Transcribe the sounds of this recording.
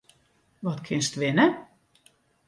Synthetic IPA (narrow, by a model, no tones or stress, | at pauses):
ʋɔtkʰɪnstʋɪnə